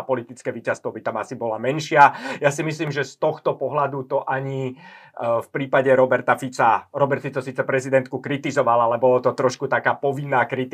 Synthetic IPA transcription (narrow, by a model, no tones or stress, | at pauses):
pɔlit̪it͡skɛːʋiːcast̪ʋɔbit̪amasibɔlamɛnʃɪajasimisliːmʒɛst̪ɔxt̪ɔpɔɦlad̪ut̪ɔʔaɲi | fpɾiːpaɟɛɾɔbɛɾt̪afit͡saɾɔbɛɾt̪fit͡sɔsiːt͡sɛpɾɛzid̪ɛnt̪̚kukɾit̪izɔʋalalɛbɔlɔt̪ɔt̪ɾɔʃkut̪akaːpɔʋinːaːkɾit̪